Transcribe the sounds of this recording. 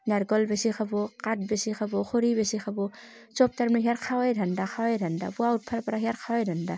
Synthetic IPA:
naɾɡɔlbesixʰabɔkat̚besixʰabɔxʰoɾibesixʰabɔ | t͡ʃɔp̚taɾmeɦijaɾkʰawajdʱandaxʰawajdʱanda̰buaut̚pʰaɾpaɾaɦiaɾkʰawajdʱanda

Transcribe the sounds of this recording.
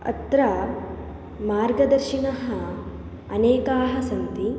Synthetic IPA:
ɐ̰t̪ɾɐ | maːɾɡɐd̪ɐɾʃinɐɦɐ | ɐneːkaːɦɐsɐnt̪i

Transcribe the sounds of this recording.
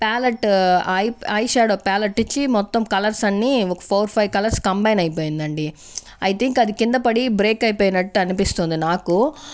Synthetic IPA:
paːlɐʈɐjɐjʃaːɽopaːlɐʈːit͡ʃːimɔt̪ːɐmkɐlɐɾsɐnːiːɔkɐ̥pʰoːɾpʰɐjʋkɐlɐɾskɐmbɐjnɐjp̬oːjind̪ɐɳɖi | ɐjt̪ʰiŋkɐd̪ikind̪ɐpɐɽibɾe̞ːkɐjpoːjinɐʈːuɐnipist̪und̪inaːku

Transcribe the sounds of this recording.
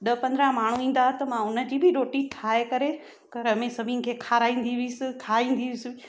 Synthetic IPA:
ɗɐpɐ̃nd̪ɾãmaːɳ̤uĩːn̆d̪aɦt̪ɐmãʊnə̆d͡ʑiːbʱɪɾoːʈiʈʰaːekɐɾe | pɐɾɐmẽsɐbʱinɪ̆kʰeːkʰaːɾaːĩːn̆d̪iʋɪsɪkʰaːĩːn̆d̪iʋɪsɪ

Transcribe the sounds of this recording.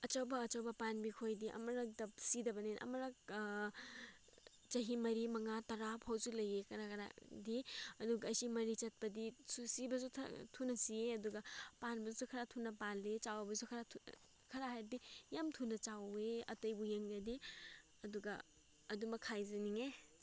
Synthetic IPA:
ɐt͡ʃɐwbɐːt͡ʃɐwbɐpanbikʰojdiʔɐ̰mɐɾɐk̚dɐpsidɐbɐnenʔɐ̰mɐɾak̚ | t͡ʃɐɦimɐɾimɐŋatɐɾapʰhawzulɐjekɐɾakɐɾa̰diɐduɡɐːjsimɐɾit͡ʃɐt̚pɐdisusibɐzutʰunɐsieɐduɡɐpanbɐzusukʰɐɾatʰunɐpalet͡ʃawɐbɐsukʰɐɾa | kʰɐɾaɦajɾdijamtʰunɐt͡ʃaweɐ̰tɐjbujeŋɡɐdi | ɐduɡɐ | ɐdumɐkʰːajzɐniŋe

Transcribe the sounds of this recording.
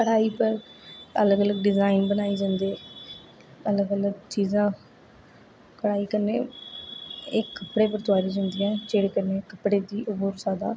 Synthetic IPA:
kəɽaːiːpəɾələɡələɡɖɪzaːɪnbənaːiːd͡ʒãːnd̪eː | ələɡələɡt͡ʃiːzãː | kəɽaːiːkəɾnḛː | ɪkːəpːɽeːpəɾt̪ʊaːɾiːd͡ʒãːnd̪ijɛ̃ːd͡ʒeːɽeːkəɾneːkəpɽeːd̪iːʔʊbuːɾsaːd̪a̰ː

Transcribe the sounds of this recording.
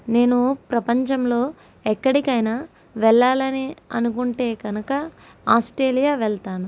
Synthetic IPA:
ne̞ːnupɾɐpɐɲt͡ʃɐmlo̞ː | ɛkːɐɽikɐjnɐ | ʋɛɭːaːlɐniɐ̰nukuɳʈe̞ːɡɐnukɐ | aːsʈɾe̞ːlijaːʋɛɭt̪aːnu

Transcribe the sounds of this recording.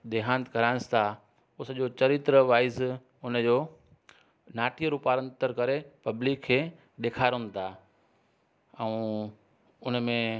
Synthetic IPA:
d̪eːɦãːnt̪kɐɾaːnst̪ʰa | ʊsəʄot͡ɕɐɾɪt̪ɾəʋaːɪz | ʊnə̆d͡ʑoː | naːʈiəɾupaːɾə̃nt̪əɾkɐɾepɐblikʰːeː | ɗ̪eːkʰaːɾɦʊ̃nd̪t̪ʰaː | ɛ̃ũ | ʊnmẽ

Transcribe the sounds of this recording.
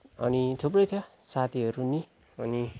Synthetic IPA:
ʌ̰nit̪ʰup̬rʌjt̪ʰjosat̪ʰiɦʌɾuni | ʌni

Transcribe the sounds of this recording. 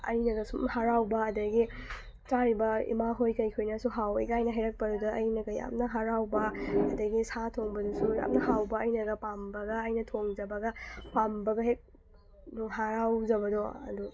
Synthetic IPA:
ɐ̰jnɐɡɐsumhaɾawbɐɐdɐɡi | t͡ʃaɾibɐḭmaɦojkɐjkʰojnɐsuɦawɐ̰jɡajnɐɦɐjɾɐk̚pɐɾudɐɐjnɐɡɐja̰mnɐɦaɾawbɐɐdɐɡisatʰoŋbɐdusuja̰mnɐɦawbɐɐjnɐɡɐpambɐɡɐːjnɐtʰoŋd͡ʒɐbɐɡɐpambɐɡɐɦek̚ | nuɦaɾawzɐbɐdoɐ̰du

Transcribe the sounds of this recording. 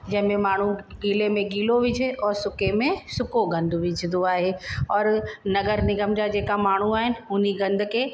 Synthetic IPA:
d͡ʑɐɦɪ̃mẽmaːɳ̤ũɡiːlemẽɡiːloʋɪd͡ʒʱeɔːɾsʊkemẽsʊkoɡɐ̃nd̪ʱʋɪd͡ʒʱɪd̪oaːɦeːɔːɾnɐɡəɾnɪɡəmd͡ʒad͡ʑeːkamaːɳ̤uaːɦɪnɪ̆ʊn̤iɡɐ̃nd̪ʱkeː

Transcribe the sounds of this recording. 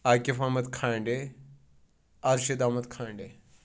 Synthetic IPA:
aːkifamɐt̪kʰãːɳɖe | ɐɾʃid̪aːmɐt̪kʰãːɳɖe

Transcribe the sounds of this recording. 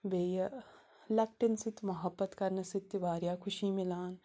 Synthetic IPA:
ʋeːjɐ | lɐk̚ʈɪnsɪt̪ːmɐɦɐbːɐt̪kɐɾnɐsɪt̪ːjʋaːɾjaːkʰʊʃiːmɪlaːn

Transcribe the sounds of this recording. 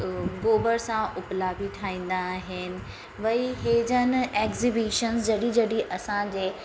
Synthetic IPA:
ɡoːbəɾsãʊplaːbit̪ʰaːĩːn̆d̪aɦɪnɪ̆ | ʋɐiɦeːd͡ʑənɪ̆eːkzibiːʃənzd͡ʑɐɽid͡ʑɐɗiʔɐsãd͡ʑeː

